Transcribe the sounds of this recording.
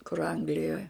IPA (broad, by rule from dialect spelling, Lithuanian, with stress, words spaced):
kʊr ˈɐŋɡlʲɪjoːj